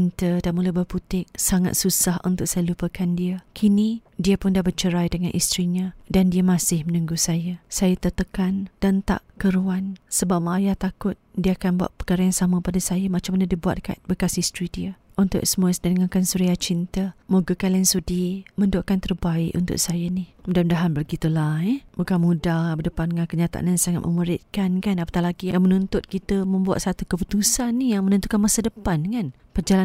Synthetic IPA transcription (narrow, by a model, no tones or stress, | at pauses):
int̪ədanmulabərput̪ɪk̚saŋa̰t̪̚susahʔunt̪ʊk̚sajalupəkandiakʰinidiapʊndahbət͡ʃəɾajdəŋanʔist̪ɾiɲadandiəmãsɪhmənũŋɡusajasajat̪ət̪əkand̥ant̪a̰ʔkəɾuansəbap̚majaht̪akʊt̪̚diaakanbua̰ʔ̪̚pəkaɾajaŋsamãpadasajamat͡ʃamanədibua̰t̪̚ka̰nbəkasist̪ɾidiə | unt̪ʊ̰ʔsəmuasdanəŋakansuɾiat͡ʃint̪əmoɡəkaliansudiməndoʔkant̪ərbaɪʔṵnt̪ʊ̰ʔsajənihmudamndaɦanbərɡit̪ulaɛbukanmudahbədəpanŋankəɲat̪a̰ʔa̰nansaŋa̰t̪̚mə̰muɾɪt̪̚kankanapə̥t̪alaɡijamənunt̪ʊt̪̚kit̪əmə̃mbua̰t̪̚sat̪ukəput̪usanːijaŋmənənt̪ukanmasadəpankan | pərd͡ʒala